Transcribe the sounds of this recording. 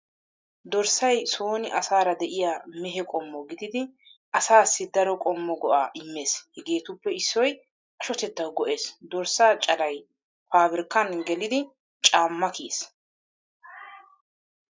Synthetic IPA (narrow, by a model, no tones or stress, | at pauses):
d̪ɔɾsɐjso̞ːnɪʔɐsaːɾɐd̪ɛʔɪjamɛɦɛkʼɔmːɔɡɪd̪ɪd̪ɪ | ʔɐsaːsːɪd̪ɐɾɔkʼɔmːɔɡɔʔaːʔɪmːe̞ːshɛɡe̞ːt̪ʊpːɛɪsːɔj | ʔɐʃɔt̪ɛt̪ːɐwɡɔʔeːsd̪ɔɾsaːt͡ʃʼɐlɐj | faːbɪɾkːɐnɡɛlɪd̪ɪ | t͡ʃʼaːmːɐkeːs